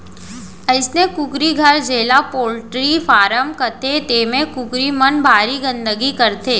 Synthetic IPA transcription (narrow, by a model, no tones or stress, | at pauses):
əɪsnekʊkɾiɡʱəɾd͡ʒeːlapoːlʈɾifaːɾəmkət̪et̪eːmẽkʊkɾimənbʱaːɾiɡə̃nd̪əɡikɐɾt̪ʰeː